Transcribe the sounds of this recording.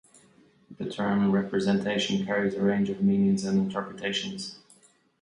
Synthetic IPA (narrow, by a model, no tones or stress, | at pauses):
ðɨtʰɜ̃˞mɹɛpɹɨzɛ̃ntʰeɪʃə̃n̩kʰɛɹizəɹẽɪ̃nd͡ʒʌvmĩnjə̃nzə̃nɨ̃ntʰɜ˞pɹətʰeɪʃə̃nz̥